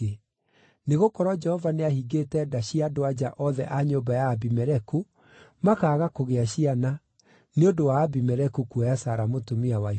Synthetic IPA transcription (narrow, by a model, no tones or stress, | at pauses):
e | neɣokɔɾɔd͡ʒɛhɔvaneaɦiɡetɛdaɕiadoad͡ʑaʔɔðɛʔaɲobajaːbimɛɾɛku | makaːɣakoɣeaɕiana | neondowaːbimɛɾɛkukuajasaɾamotomiawai